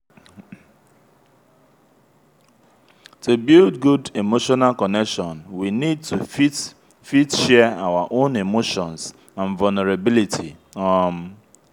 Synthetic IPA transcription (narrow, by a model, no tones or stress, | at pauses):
tubildɡudemoʃɔnalkɔnɛkʃɔ̃nwinid̚tui | fitʃɛaʊwaʔõnemoʃɔ̃ns | ãnvalneɾabilitʰi | ɔm̩